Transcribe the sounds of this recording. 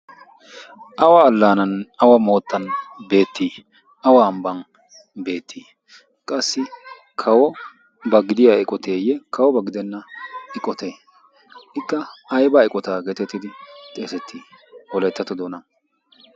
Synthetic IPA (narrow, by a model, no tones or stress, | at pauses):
ʔɐwaːlːaːnɐnɐwɐmo̞ːt̪ʰːɐnbe̞ːt̪ʰːiː | ɐwaːmbɐn | be̞ːt̪ʰːiː | kʼɐsːɪ | kʰɐwɔ | bɐɡɪd̪ɪjaɪkʼɔt̪ʰe̞ːjɛkʰɐwɔbɐɡɪd̪ɛnːɐɪkʼɔt̪eː | ɪkːɐɐjbaɪkʼɔt̪aːɡɛt̪ɛt̪ːɪd̪ɪt̪ʼeːsɛt̪ʰːiːwɔlɛt̪ːɐt̪ɔd̪oːnɐn